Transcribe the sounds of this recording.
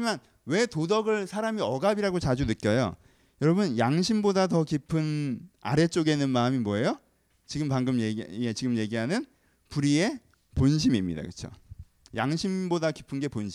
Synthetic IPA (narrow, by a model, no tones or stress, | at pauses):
ɲiman | we̞todʌɡɯɭsʰaɾamiʌɡabiɾaɡot͡ɕad͡ʑunɯt̚k͈jʌjo̰ | jʌɾʌbɯnjaŋɕʰimbodatʌkipʰɯna̰ɾe̞t͡ɕ͈oɡe̞nːɯnmaɯmimwʌejo | t͡ɕiɡɯmpaŋɡɯmjee̞t͡ɕiɡɯmje̞ɡiɦanɯn | puɾie̞ | ponɕ̬ʰimimɲḭda̰kɯt͡ɕʰo̰ | jaŋɕʰimbodaki̥pʰɯnɡe̞ponɕʰi